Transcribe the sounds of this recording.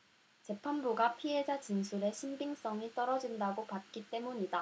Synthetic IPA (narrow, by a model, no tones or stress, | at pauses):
t͡ɕe̞pʰanbuɡapʰiɦe̞d͡ʑat͡ɕinsʰuɾe̞ɕʰimbiŋs͈ʌŋit͈ʌɾʌd͡ʑindaɡopat̚k͈it͈e̞muɲida